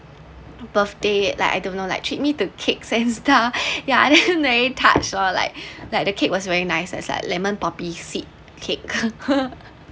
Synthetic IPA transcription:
bəθdela̰ɪka̰jdõnːola̰ɪk̚tʰɹit̚mitukʰek̚sɛ̃nsdajadɛ̃nɹeɹitʰa̰t͡ʃɔla̰ɪk̚lajk̚dəkʰek̚wɔsvɛɹinaɪsɛ̰tsla̰ɪk̚lɛmə̃npɔpisit̚ | kʰek̚

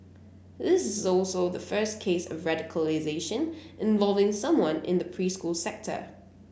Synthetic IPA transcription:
ðɪsɪzɔlˠsoʊðəfɜˑ˞skʰeɪsə̰vɹadɪkʰəlɪzeɪʃə̃nʔɪ̃ɱvɔlˠvɪ̃ŋsʌ̃mwʌ̃nɪ̰̃nðəpʰɹ̥iːskuːlˠsɛk̚tʰə̰

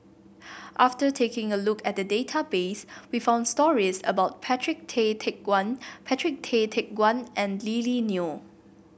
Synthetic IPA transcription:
ʔaftətʰekɪ̃ŋəlukɛt̚dədetʰabeswifãʊ̃ndstɔɹisə̰baʊt̚pʰɛtʰɹɪk̚tʰetʰɛk̚wãnpʰɛtʰɹɪk̚tʰetʰɛk̚ɡwãnʔɛ̃nlilinju

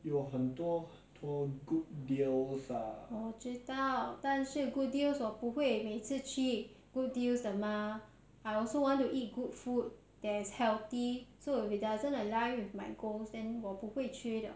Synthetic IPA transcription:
juɦə̃ntɔh | tʰɔɡut̚dilsaɔt͡ʃitaltãnsuɡut̚dilswɔpuhwemetɨt͡ʃit̚ | ɡ̥ut̚dilsdəmã | ajɔlsowɔ̃ntuʔit̚ɡut̚fut̚ | d̥ɛshɛlt̪isoɪfidazə̃nəlajwifmajɡolsdɛ̃nwɔpuhwet͡ʃʰɹitə̰

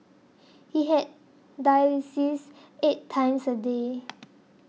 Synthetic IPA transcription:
hiɦɛt̚ | dajisis | etʰːãj̃msəde

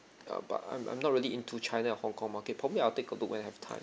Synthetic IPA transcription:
ʌ̰ba̰tã̰ɪ̃mʔã̰jmnɔt̚ɹiliʔĩntʰut͡ʃʰãɪnaɛhɔ̃ŋkʰɔ̃ŋmaket̚pʰɹɔbəbliaɪltekəlʊk̚wɛ̃nahɛftʰã̰ɪ̃m

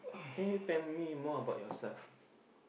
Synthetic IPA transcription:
at̪ɪ̃ŋjut̪ɛ̃nmimɔəbaʊʔ̚jɔsɛlf

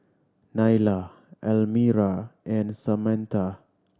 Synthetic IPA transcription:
najla | ɛlmiɾaʔɛ̃nsamɛ̃nt̪a

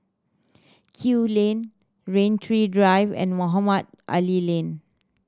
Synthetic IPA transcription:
kʰulẽn | ɹẽntʰɹidɹajvɛ̰̃nmoɦamad̚ | ʔa̰lilẽn

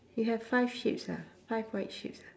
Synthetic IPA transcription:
jəəv̥faɪv̥ʃɪ̰psə̰faɪvweɪtʃɪ̰psə

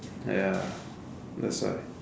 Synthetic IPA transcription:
ja | ðæ̰tswa̰ɪ

